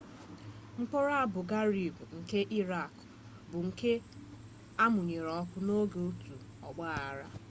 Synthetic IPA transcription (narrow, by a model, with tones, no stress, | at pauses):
ŋ͡m̩˦k͡po˦ɾa˦a˦bʊ˨ɡa˦ɾi˨bŋ̩˨ke˦ʔi˦ɾa˨k | bʊ˨ŋ̩˨ke˦ | a˦mʊ˨ɲe˨ɾɔ˦kʷʊ˦no˦ɡe˨o˦tu˨ | ɔ˨ɡ͡ba˦a˨ɾa˦